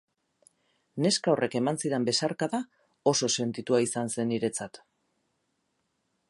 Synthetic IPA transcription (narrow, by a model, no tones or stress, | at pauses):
ne̞skaorʔe̞ke̞mansiɾe̞mbe̞saɾkaða | o̞so̞se̞nt̪it̪uaisanse̞niɾe̞t͡sat̪